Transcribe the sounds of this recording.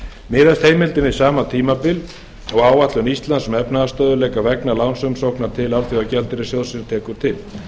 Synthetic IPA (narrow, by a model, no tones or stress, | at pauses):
mɪːðast̪heːjmɪlt̪ɪnvɪðsaːmat̪ʰiːmapɪl | ɔɣaːwvat̪lʏnist̪lansmɛpnaðast̪œːðʏlɛːkavɛknalawnsʏmsowknaɾ̥t̪ʰɪlalθjʏawcɛlt̪ɪɾɪsjowðsɪnt̪ʰɛːkʏɾ̥t̪ʰɪl